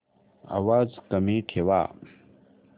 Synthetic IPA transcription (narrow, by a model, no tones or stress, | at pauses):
ɐ̰waːzkɐmiʈʰewa̰ː